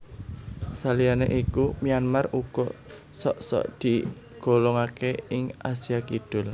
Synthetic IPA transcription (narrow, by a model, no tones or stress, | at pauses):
salijaneʔikumianmaruɡ̥ɔ | sɔʔsɔ̰ʔd̪̥i | ɡ̥o̤lɔŋakeɪŋasijakid̪̥ʊl